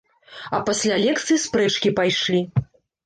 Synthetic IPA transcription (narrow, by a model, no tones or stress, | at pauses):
ɐpasʲlʲalʲɛkt̪sɨjispɾɛt͡ʂkʲipajʂlʲi